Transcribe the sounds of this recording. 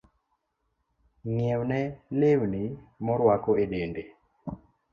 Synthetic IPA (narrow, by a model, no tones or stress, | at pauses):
ŋjɛwnɛlewnimɔɾwakɔedende